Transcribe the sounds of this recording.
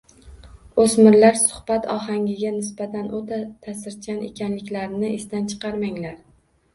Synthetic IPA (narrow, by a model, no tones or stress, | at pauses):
osmɪɾlaɾsʊ̥hb̥at̪ʰɒɦaŋɡʲɪɡʲanɪsbat̪ʰanot̪ʰat̪ʰasɪɾt͡ʃʰanḛkʲʰanlɪkʲlaɾɪnɪʔɪst̪ant͡ʃʰɨ̥qɑɾmaŋlaɾ